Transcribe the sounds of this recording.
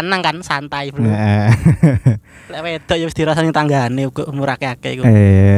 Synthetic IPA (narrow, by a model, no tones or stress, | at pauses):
naŋkansant̪aibəʔə | lɛʔwed̪̥ɔ̤ʔjasd̪̥i̤ɾasanɲt̪aŋɡaneuɡ̥ɔʔmuɾakeakɛikue